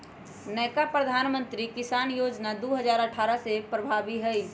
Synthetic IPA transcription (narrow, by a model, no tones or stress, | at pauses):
nɛːkapɾəd̪ʱaːnmə̃nt̪ɾikɪsaːnjoːd͡ʒnad̪oːɦəd͡ʒaːɾəʈʰaːɾəsepɾəbʱaːbiɦɛi